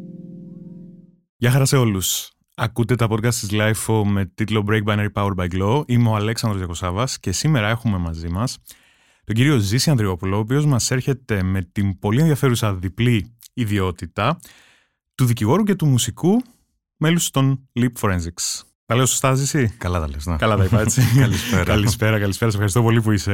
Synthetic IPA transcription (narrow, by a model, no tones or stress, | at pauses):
ʝɐxɐɾɐse̞o̞lus | ɐkut̪e̞t̪ɐpo̞t̪kɐst̪sizlɐjfo̞me̞t̪it̪lo̞bɾejk̚bɐneɾipɐweɾbɐjɡloʔimeoɐleksɐndɾo̞zjɐko̞sɐvɐsce̞sime̞ɾɐe̞xume̞mɐzimɐs | t̪o̞ɟiɾio̞zisiɐnðɾio̞pulo̞ːp̬io̞zmɐse̞ɾçe̞t̪e̞me̞t̪impo̞lienðiɐfe̞ɾusɐðipliiðio̞t̪it̪ɐ | t̪uðiciɣo̞ɾuce̞t̪umusiku | me̞lust̪o̞nlipfoɾensiks | t̪ɐle̞osost̪ɐzisikɐlɐt̪ɐlekɐlɐt̪ɐipɐet͡siɐlspɾɐlispe̞ɾɐkɐlispe̞ɾɐsefxɐɾist̪o̞p̬o̞lip̬uise̞